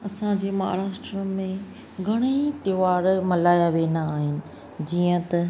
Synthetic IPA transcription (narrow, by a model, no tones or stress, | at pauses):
ɐsãd͡ʑeːmaɦaɾaːʃʈɾəmẽ | ɡʱɐɽ̃it̪joʋaːɾmɐlaːjaʋeːnaːɦɪnɪ̆ | d͡ʑiːə̃t̪ɐ